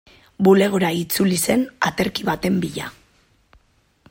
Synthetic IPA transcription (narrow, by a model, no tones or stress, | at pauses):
bule̞ɣ̞oɾait͡sulise̞na̰t̪e̞ɾkiβat̪e̞mbiʎa̰